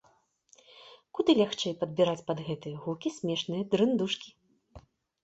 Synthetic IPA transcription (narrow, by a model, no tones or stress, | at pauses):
kud̪ɨlʲaxt͡ʂɛjpɐd̪̚bʲiɾat͡sʲpɐd̪ɣɛt̪ɨjɐɣukʲisʲmʲɛʂnɨjɐd̪ɾɨnd̪uʂkʲi̥